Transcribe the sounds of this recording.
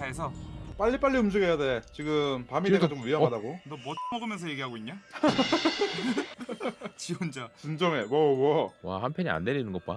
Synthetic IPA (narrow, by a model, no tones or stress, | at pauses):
aesʰʌp͈aʎːip͈aʎːiumd͡ʑɯɡejade̞t͡ɕiɡɯmpamieɡat͡ɕomɥiɦʌmadaɡodʌmʌt͡ɕʰmʌɡɯmjʌnsʰʌje̞ɡiɦaɡoiɲːa | t͡ɕiund͡ʑat͡ɕɯnd͡ʑʌŋe̞wʌwʌwahampʰjʌɲia̰ndeʎːinɯnŋɡʌk̚p͈a